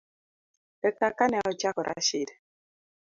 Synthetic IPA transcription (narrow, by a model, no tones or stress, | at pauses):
tɛkakanɛɔt͡ʃakɔɾʔa̰ʃidɛ